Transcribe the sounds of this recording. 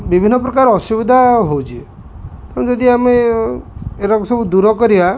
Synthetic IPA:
bibʱinːɔpɾɔkaɾɔɔsubid̪ʱaɦowt͡ʃʰie | kaɾɔ̃d͡ʒɔd̪iame | eɾakusɔbud̪uɾɔkɔɾiba

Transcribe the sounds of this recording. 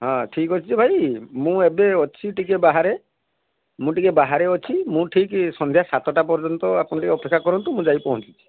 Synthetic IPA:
ɦɔ̃ʈʰikɔt͡ʃʰit͡ʃʰibʱajmũebeɔt͡ʃʰiʈikebaɦaɾe | mũʈikebaɦaɾeɔt͡ʃʰimũʈʰiksɔnd̪ʱjasat̪ɔʈapɔɾd͡ʒɔnt̪ɔapunɔʈikeɔpekʰːakɔɾɔnt̪umũd͡ʒajpɔɦũt͡ʃi̥t͡ʃʰi̥

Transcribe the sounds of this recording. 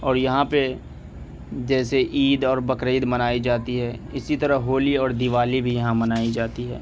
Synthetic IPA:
ɔːɾjɐɦãpe | d͡ʒɛːseʔiːd̪ɔːɾbɐkɾeːd̪mɐnaːid͡ʒaːt̪iɦɛːɪsit̪ɐɾəɦɦoːliɔːɾd̪ɪʋaːlibʱijɐɦãmɐnaːid͡ʒaːt̪iɦɛ̰ː

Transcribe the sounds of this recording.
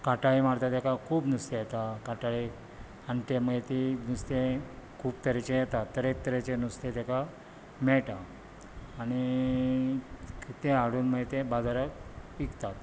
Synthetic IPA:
kaʈaɭimaɽt̪at̪ɛkakʰuːbnust̪ejɛt̪akaʈaɭi | ant̪eməɡet̪inust̪ekʰuːbt̪əɾet͡ɕejɛt̪at̪ːəɾek̚t̪əɾet͡ɕenust̪et̪eka | mɛɭʈaː | ñi | t̪eaɽuːnməɡet̪ebad͡zaɾəkikt̪at̪

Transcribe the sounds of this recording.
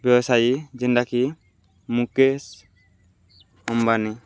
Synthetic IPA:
bjɔbɔsajid͡ʒindaki | mukes | ɔmbani

